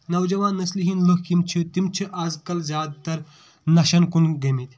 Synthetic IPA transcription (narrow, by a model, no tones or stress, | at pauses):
nɐwd͡ʒɐʋãːnːɐsliɦinlohkimt͡ʃʰɨt̪imt͡ʃʰiʔɐzkɐlzjaːd̪̚t̪ɐɾ | nɐʃɐnkunɡɐmit̪